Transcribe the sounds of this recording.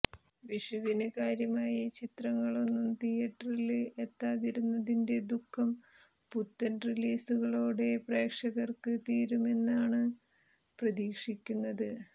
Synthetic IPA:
ʋiʂɐʋinɨkaːɾjɐmaːjɐt͡ɕit̪rɐŋːɐɭo̞nːumt̪ijɐʈrilet̪ːaːðiɾunːɐðinde̞d̪ukʰːɐm | put̪ːɐnriliːsuɣɐɭo̞ːɽe̞pre̞ːkʂɐɣɐrkɨt̪iːɾume̞nːaːɳɨ | prɐðiːkʂikʲːunːɐðɨ

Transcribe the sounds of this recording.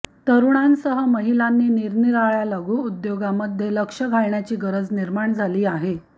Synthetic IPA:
t̪əɾuɳansəɦəməɦilanːiːniɾniɾaɭjalaɡuːud̪joɡaməd̪ʱjeləkʂəɡʱaɭɳjat͡ɕiːɡəɾəd͡zniɾmaɳd͡zʱaliːaɦe

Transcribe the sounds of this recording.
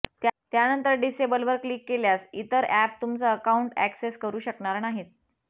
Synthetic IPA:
t̪t̪janənt̪əɾɖisebəlʋəɾkliːkːeljasit̪əɾæp̚t̪umt͡səəkauɳʈæ̰kseskəɾuːɕəkɳaɾnaɦet̪̚

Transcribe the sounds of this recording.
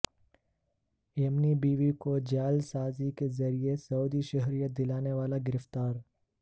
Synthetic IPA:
ɛmnibiːʋikod͡ʒaːlsaːzikezɐɾiesɐuːd̪iʃɐɦɾijəd̪ɪlaːneʋaːlaɡɪɾɪft̪aːɾ

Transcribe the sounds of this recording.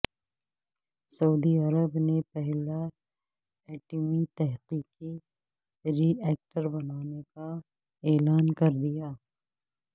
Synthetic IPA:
sɐuːd̪iɐɾəbnepɛɦla | ɛːʈəmit̪ɛɦqiːqi | ɾiːɛːk̚ʈəɾbɐnaːneka | eːlaːnkɐɾd̪ijaː

